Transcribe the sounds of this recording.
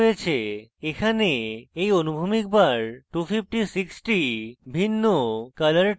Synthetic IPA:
jet͡ɕʰeekʰaneejonubʱumik̚baɾʈufip̚ʰʈisiksʈibʱinːokalaɾ

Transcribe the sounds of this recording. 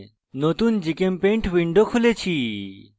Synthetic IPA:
not̪und͡ʒikempẽɳʈʰʋiɳɖokʰulet͡ʃʰi

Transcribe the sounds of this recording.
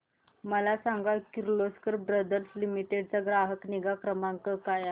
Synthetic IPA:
məlasaŋɡakiɾloskəɾbɾəd̪əɾslimiʈeɽt͡saɡɾaɦəkniɡakɾəmaŋkəkaja

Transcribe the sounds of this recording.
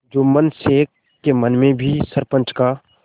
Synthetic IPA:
d͡ʒoːmənseːkː | emənmẽbʱisəɾpə̃nt͡ʃka

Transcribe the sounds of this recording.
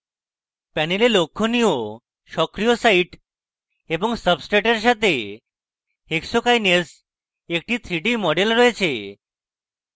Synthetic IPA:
pɛnelelokʰːonijo | ʃɔkɾijɔsaiʈ | ebɔŋsəbsʈeʈəɾs̬at̪e | eksɔkajnes | ek̚ʈit̪ʰɾiʈimɔɖelɾɔjt͡ɕʰe

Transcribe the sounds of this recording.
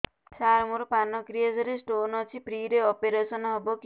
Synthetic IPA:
saɾmuɾpanɔkɾijed͡ʒɔɾesʈoːnɔt͡ʃʰipɾiɾeɔpeɾesɔnɦɔbok

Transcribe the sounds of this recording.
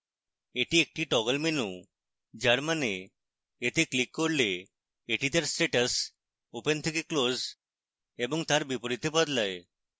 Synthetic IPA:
eʈiek̚ʈiʈɔɡəlmenu | d͡ʒaɾmaneː | t̪ʰeklikːɔɾleː | ʈit̪aɾsʈeʈəs | opent̪ʰikikloz | ebɔŋt̪aɾbipɔɾit̪ebəd̪lae

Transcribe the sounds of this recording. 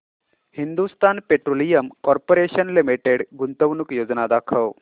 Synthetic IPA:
hind̪ust̪aːnpeʈɾolijəmkɔɾpoɾeɕənlimiʈeɽɡunt̪əʋnukjod͡znad̪akʰəw

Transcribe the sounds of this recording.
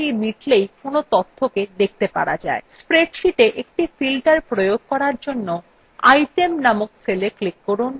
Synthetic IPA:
iɾmiʈlejkonot̪ot̪ʰːoked̪ek̚t̪epa̰ɾad͡ʑa̰espɾeɖʃiʈeʔek̚ʈifilʈaɾpɾojoɡ̚kɔɾaɾd͡ʑonːo | a̰jʈemnamokseleklikːoɾun

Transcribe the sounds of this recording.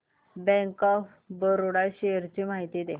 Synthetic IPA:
bɛ̃ŋkɔf | bəɾuɽaɕeəɾt͡ɕiːmaɦit̪iːd̪e

